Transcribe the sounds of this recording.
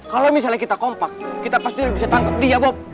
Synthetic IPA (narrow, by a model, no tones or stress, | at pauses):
kalɔmis̬alakit̪akɔmpak̚ːit̪apast̪ibisat̪aŋkap̚diabɔp̚